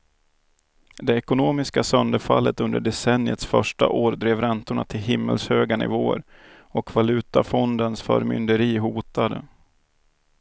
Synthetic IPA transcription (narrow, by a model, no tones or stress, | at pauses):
d̪ɛɛkʊnoːmɪskasœnd̪əɾfalːət̪ɵnd̪əɖɛsɛnɪət̪sfœʂʈa̰ʔoːɾd̪ɾeːvɾɛnt̪ʊɳa̰t̪ʰɪlɦɪmːə̰lshøːɡanɪ̰voːəɾ | ɔkvalʉ̟ːt̪afɔnd̪ənsfœ̰ːɾmʏ̰nd̪əɾiːɦuːt̪ad̪ə